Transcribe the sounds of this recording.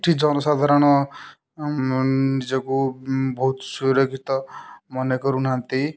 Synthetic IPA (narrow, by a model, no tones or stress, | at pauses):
ʈʰid͡ʒɔnɔsad̪ʱaɾɔnɔ | nid͡ʒɔkubɔɦut̪suɾɔkʰit̪ɔmɔnekɔɾunant̪i